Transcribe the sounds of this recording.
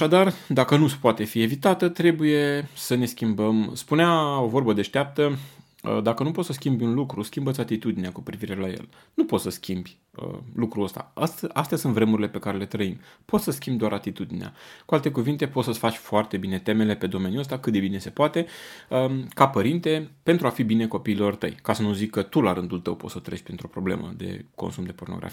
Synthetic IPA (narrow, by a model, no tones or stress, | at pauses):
aʃad̪ard̪akənupoat̪e̞fie̞vit̪at̪ət̪ɾe̞buje̞səne̞skʲimbəmspuneao̞vo̞rbəd̪e̞ʃt̪eap̚t̪ə | ə̰d̪akənupot̪səskʲimbjunlukɾuskʲimbət̪sʲat̪it̪ud̪ineakupɾiviɾe̞lajḛl | nupot̪səskʲʰimbʲ | ə̰lukɾuəst̪a̰ast̪ast̪easunt̪vɾe̞muɾile̞pe̞kaɾe̞le̞t̪ɾəimpot̪səskʲimbd̪oaɾat̪it̪ud̪inea̰kualt̪e̞kuvint̪e̞po̞t̪səsʲfat͡ʃʲfoart̪e̞bine̞t̪e̞me̞le̞pe̞d̪o̞me̞njuəst̪akɨt̪̚d̪e̞bine̞se̞poat̪e̞əkapəɾint̪e̞pe̞nt̪ɾuafibine̞ko̞piːlo̞rt̪əjkasənuzikːət̪ulaɾɨnd̪ult̪ə̰wpo̞t̪sət̪ɾḛʃʲpɾint̪ɾo̞pɾo̞ble̞̰mə̰d̪e̞̰ko̞̰nsumd̪e̞po̞rnoɡɾa̰fi